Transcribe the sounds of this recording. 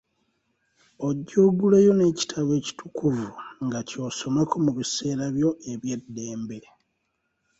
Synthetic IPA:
o̞ɟːoɡulejo̞ne̞ːci̥tʰaβwe̞ːci̥tʰukʰuvuŋɡaco̞ːso̞makomuβise̞ːɾaβjo̞e̞βje̞dːe̞ːmbeɾe

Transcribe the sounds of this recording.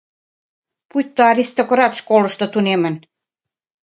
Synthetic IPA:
pujt̪ːoɑɾʲist̪okɾɑt̪ʃkolɤ̆ʃt̪ɤ̆t̪unemə̆n

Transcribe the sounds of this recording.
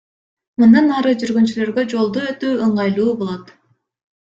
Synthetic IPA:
mɯnd̪ɑnɑɾɯd͡ʒyɾɡynt͡ʃylø̞ɾɡø̞d͡ʒo̞lˠd̪uøt̪yːɯɴʁɑjlˠuːbo̞lˠot̪

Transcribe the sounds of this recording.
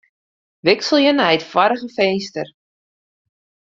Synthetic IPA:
ʋɪksəl̩ˠjənɛjətfwɔɾəɣəfejnstər

